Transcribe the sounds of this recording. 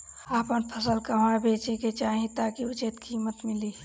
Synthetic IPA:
aːpənpʰəsəlkɐʋãbʱeːt͡ʃeket͡ʃaːɦẽt̪aːkiʊt͡ʃet̪kʰiːmət̪mɪliː

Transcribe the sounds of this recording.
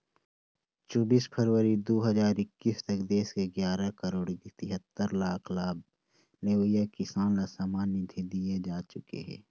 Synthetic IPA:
t͡ʃɔːbiːspʰəɾwəɾid̪oːɦəzaːɾɪkːiːst̪ɐkd̪eːskeɡjaːɾakəɾoːɽit̪ɪɦət̪ːəɾlaːkʰlaːb̚ | leːʋəjakɪsaːnlasaːmaːnɪd̪ʰʱid̪ied͡ʒaːt͡ʃʊkḛɦɛ̰̃ː

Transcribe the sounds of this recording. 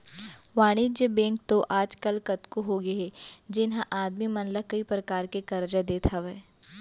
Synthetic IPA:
ʋaːɽ̃id͡ʒjəbẽːŋk̚t̪oʔaːd͡ʒkɐlkɐt̪koɦoɡeɦɛd͡ʒɪnɦãʔaːd̪mimɐ̃nləkɐipɾɐkaːɾkekɐɾd͡ʒad̪eːt̪ʰaʋɛː

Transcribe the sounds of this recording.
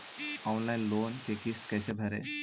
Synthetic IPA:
ɔwnlajnlonkekist̪kɛjsebʱəɾḛ

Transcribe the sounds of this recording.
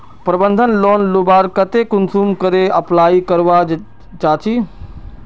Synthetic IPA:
pɾəbə̃nd̪ʱənloːnlubaːɾkɐt̪ekʊnsuːmkəɾeɐplaːikɐɾʋa | t͡ʃaːt͡ʃʰiː

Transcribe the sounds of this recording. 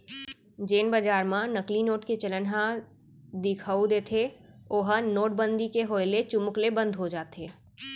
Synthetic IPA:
d͡ʒeːnbəd͡ʒaːɾmãnɐklinoːʈket͡ʃələnɦã | d̪ɪkʰaːud̪eːt̪ʰeoɦənoːʈ̚bə̃nd̪ikeɦoːjlet͡ʃʊmʊklebə̃nd̪ʱɦod͡ʒaːt̪eː

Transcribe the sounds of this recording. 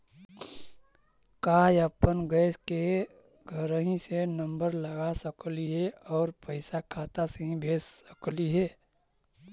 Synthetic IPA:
kaːjəpənɡəːske | ɡʱəɾəɦĩsenəmbəɾləɡasəkliɦɛɔːɾpəɪsakʰaːt̪aseɦĩbʱeːssəkliɦɛː

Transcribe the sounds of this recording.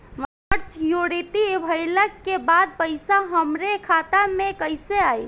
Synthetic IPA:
ʋa | əɾt͡ʃjoɽit̪ibʱəjləkːebad̪̚pəɪsaɦəmɾekʰat̪amekəjseaj

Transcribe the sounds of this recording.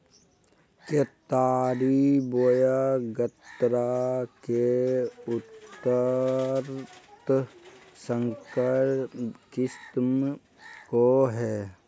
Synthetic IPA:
ket̪aːɾibojaɡət̪ɾakeʊt̪ːəɾt̪ | sə̃ŋkə | kɪst̪m | koɦɛː

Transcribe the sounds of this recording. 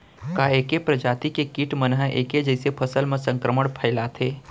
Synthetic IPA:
kaeːkepɾəd͡ʒaːt̪ikekiʈʰmənɦəʔeːked͡ʒəɪsepʰəsəlmẽsə̃ŋkɾəməɽpʰəɪlat̪ʰeː

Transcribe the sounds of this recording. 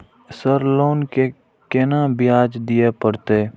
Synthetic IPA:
səɾloːnke | kenabɪjaːd͡ʒd̪ijepəɽt̪eː

